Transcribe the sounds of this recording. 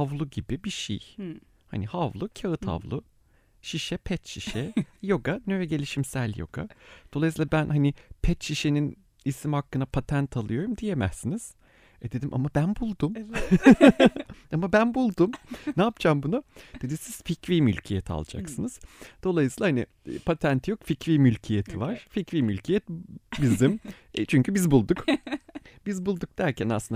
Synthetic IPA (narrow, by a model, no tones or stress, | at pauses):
avlˠuɟibibiʃḭj | hanihavlˠucʰaɯt̪ʰha̰vlˠʊ | ʃiʃɛpʰɛt͡ʃ̪ʃiʃɛjo̞ɡanøɾɛɟe̞lʲiʃimsælʲjo̞̰ɡ̥a̰d̪̥olˠajs̬ilˠabænɦanɪpʰɛt͡ʃ̪ʃiʃenin | isimhakːɯnapʰat̪ʰænt̪ʰalˠɯjo̞ɾumd̪ijemɛ̰sːiniz̥ | ɛd̪e̞d̪imʔa̰mabænbulˠd̪um | amabænbulˠd̪umnaːpt͡ʃʰambunud̪̥e̞d̪isiz̥ficviːmylʲcʰijet̪ʰa̰lˠd͡ʒa̰ksɯnɯz̥d̪̥o̞lˠajɯsiːlˠahanɪ̰ | pʰat̪ʰænt̪ʰjo̞kficviːmylʲcʰijet̪ʰivaɾ̥ficviːmylʲcʰijɛt̪bizim | t͡ʃʰyɲcʰybizbulˠd̪uk | bizbulˠd̪uk̚d̪̥æɾcʰænasˠɯnd̪